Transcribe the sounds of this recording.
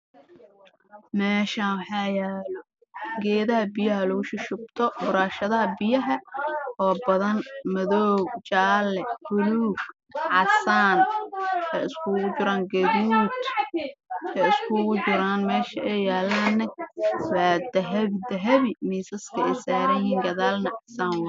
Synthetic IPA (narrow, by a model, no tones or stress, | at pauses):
mɛːʃawħɑːjaːlɔ | ɡɛːðɐɦɐbɪjɐɦɐlʊɣʊʃɪʃʊb̚t̪ʰɔbʊɾaːʃɐðɐɦɐbɪjɐɦɐʔɔːbɐðɐnmɐðɔːɡt͡ʃaːlɛb̥ʊluːɡ | ʕɑ̰saːnsɛɪskʰʊɣʊt͡ʃʊɾaːŋɡɐðuːt̪ | sɛɪskʰʊɣʊt͡ʃɪɾaːnmɛːʃɐʔɛjjaːlaːnːɛwaːd̪ɐɦɐβd̪ɐɦɐβimiːsɐskʰɐɛjsaːɾɐjjiːŋɡɐðaːlnɐʕɑsaːnw